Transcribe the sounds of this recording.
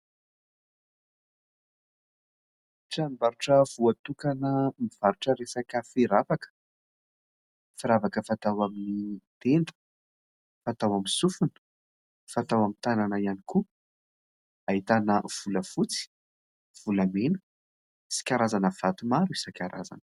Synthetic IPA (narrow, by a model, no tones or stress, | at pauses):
ʈ͡ʂambaɾuʈ͡ʂəvuat̪ukanəmiv̥aɾuʈ͡ʂəɾesakəfiɾavakə̥ | fiɾavakəfat̪awaminit̪end̪ə̥ | fat̪awamisufunə̥ | fat̪awamint̪ananəianiku | aɦit̪anəv̥uləfut͡si̥ | v̥ulamenə̥ | si̥kʲaɾazanəv̥at̪umaɾuisakʲaɾa̰za̰nə̥